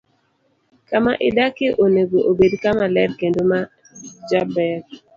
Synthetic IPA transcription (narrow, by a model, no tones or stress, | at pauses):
kamaʔɪdakeʔoneɡoʔobedkamalɛdkendoma | d͡ʒabɛɾ